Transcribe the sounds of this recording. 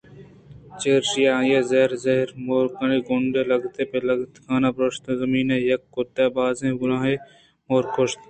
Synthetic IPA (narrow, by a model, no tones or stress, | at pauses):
t͡ʃeːɾʃijaːjeːzeɦɾzɐɦɪɾmoːɾkəɳiɡʊɳɖeːlɐɡt̪epelɐɡt̪kʰaːnabɾʊʃt̪zɐmiːnejɐkːot̪ebaːzẽːɡʊɾãːɦe | moːɾkoʃt̪